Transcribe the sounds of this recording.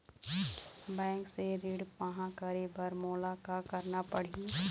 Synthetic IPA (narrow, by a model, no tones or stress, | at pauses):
bɛ̃ːŋkseɾiːɽpaɦãkəɾebəɾmoːlakakəɾnapəɽ̤i